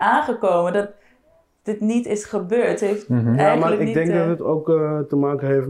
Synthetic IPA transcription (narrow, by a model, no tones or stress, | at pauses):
aːnχəkowməndɑt̚ | d̥ɪtnitɪsχəbøːɹtɦejftjamaːləɪndɛŋk̚dɑtɦətowktəmaːkəɦejf